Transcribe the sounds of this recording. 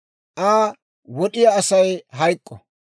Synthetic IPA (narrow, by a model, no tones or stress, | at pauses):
ʔaː | wɔɗɪjaːsɐjɦɐjkʼːɔ̰